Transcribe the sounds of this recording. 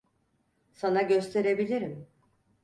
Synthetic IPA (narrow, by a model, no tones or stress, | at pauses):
sanaɟø̞st̪ʰe̞ɾe̞bilʲiɾim